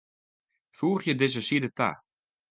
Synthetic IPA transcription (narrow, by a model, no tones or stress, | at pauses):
fuːəχjədɪzəsidəta̰